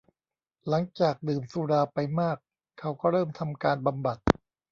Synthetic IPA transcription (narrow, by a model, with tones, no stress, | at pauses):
la˩˦ŋt͡ɕaː˨˩k̚dɯː˨˩msuː˧ɾaː˧pa˧jmaː˥˩kʰː | a˦˥wkɔː˥˩ɾɤː˥˩mt̪ʰa˧mkaː˧nba˧mba˨˩t̪̚